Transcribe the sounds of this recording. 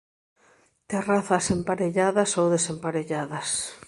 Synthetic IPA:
t̪eraθɐsempaɾeʎaðɐsowðesempaɾeʎaðɐs

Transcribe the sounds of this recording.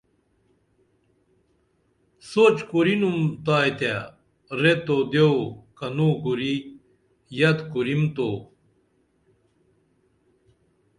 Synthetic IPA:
sot͡ɕkuɾinumt̪aːjt̪a | ɾet̪od̪jewkɐnuɡuɾi | jɐt̪kuɾimt̪o

